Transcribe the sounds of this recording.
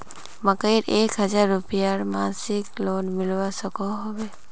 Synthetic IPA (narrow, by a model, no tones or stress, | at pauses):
məkəiɾeːkɦəd͡ʒaɾːupijaɾmansɪkloːnmɪlʋasəkoɦobe